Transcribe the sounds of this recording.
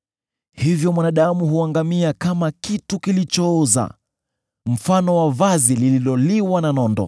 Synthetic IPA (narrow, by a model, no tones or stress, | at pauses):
hivjɔmwanaɗamuhuaŋɡamiakamakitukilit͡ʃɔɔza̰ | m̩fanɔwavazilililɔliwananɔndɔ̰